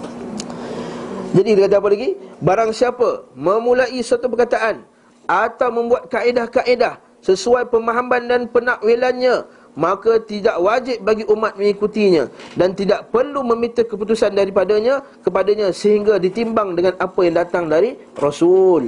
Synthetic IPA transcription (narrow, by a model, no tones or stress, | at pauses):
d͡ʒadikit̪əkat̪aːp̬alaɡibaɾaŋsiapamə̃mũlaisat̪upərkat̪aʔan | at̪awmə̃mbuat̪̚kaʔedahkaʔedah | səsuajpəmaɦambandanpənaʔwilanɲã | mãkat̪idaʔwad͡ʒɪp̚baɡiʔumat̪̚mə̃ŋikut̪iɲãdant̪idaʔpərlumə̃mit̪əkəp̬ut̪usandaɾipadaɲãkəpadaɲãsəɦiŋɡadit̪imbaŋdəŋãnapajaŋdat̪aŋdaɾi | rosul